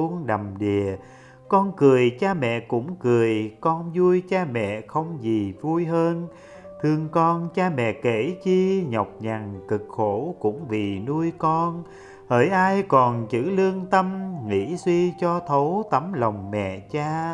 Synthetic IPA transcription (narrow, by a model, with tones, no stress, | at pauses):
nɗə˨˩mɗi˨˩ə | kɔ˧nkɨ˨˩əjt͡ɕaː˧mɛ̰˧˨kʊ̰˧˥ŋ͡mkɨ˨˩əjkɔ˧nzu˧əjt͡ɕaː˧mɛ̰˧˨xə˧wŋ͡mzi˨˩vu˧jɦəː˧n | t̪ʰɨ˧əŋkɔ˧nt͡ɕaː˧mɛ̰˧˨ke˧˩t͡ɕi˧ɲɔ˨˩wk͡p̚ɲa˨˩ŋt̪ɨ˨˩k̚xo˧˥kʊ̰˧˥ŋ͡mvi˨˩nu˧əjkɔ˧n | həː˧˩jʔaː˧jkɔ˨˩nt͡ɕɨ̰˧˥lɨ˧əŋt̪ə˧mŋḭ˧˥swi˧t͡ɕɔ˧t̪ʰo˨˦wt̪ə˨˦mla˨˩wŋ͡mmɛ̰˧˨t͡ɕaː˧